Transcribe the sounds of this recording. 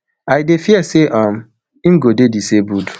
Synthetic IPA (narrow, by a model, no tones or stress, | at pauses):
ajdefiɛseʔãm̩ | im̩ɡodedisebudu